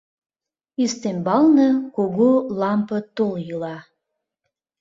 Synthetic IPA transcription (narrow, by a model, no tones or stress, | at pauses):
ist̪embɑlnəkoɣolɑmpət̪oljɯlɑ